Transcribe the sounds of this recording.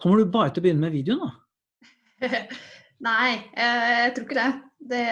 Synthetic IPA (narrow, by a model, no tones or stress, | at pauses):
kʰɔmːəɖʉbɑːɾət̪ʰɪlɔbəjʏnːəmɛʋiːd̪jʊno | naɪjæjæɪt̪ʰɾuːɾɪkːəd̪ɛd̪ɛ